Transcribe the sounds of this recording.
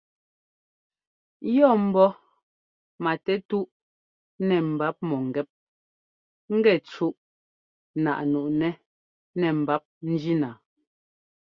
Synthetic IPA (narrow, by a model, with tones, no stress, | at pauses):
jɔ˦˨m̩˨bɔ˦ | ma˨tɛ˦tu˦ʔ | nɛ˨m̩˨ba˦p̚mɔ˨ŋ̩˨ɡɛ˦p̚ | ŋ̩˦ɡɛ˦˨t͡ʃu˦ʔ | na̰˨ʔnu˨ʔnɛ˦ | nɛ˨m̩˨ba˨˦p̚n̩˦d͡ʒi˦naː˨